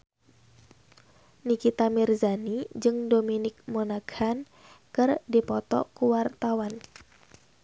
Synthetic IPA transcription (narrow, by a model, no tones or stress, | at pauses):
nikit̪amirzanid͡ʒɨŋdominɪk̚monaɡ̥an | kɨrdipɔt̪ɔ̰kuwart̪awan